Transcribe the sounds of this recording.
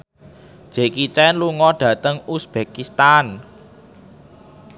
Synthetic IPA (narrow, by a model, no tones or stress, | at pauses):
ʒ̥e̤kit͡ʃɛnluŋɔɖ̥ä̤t̪əŋusb̥ekist̪an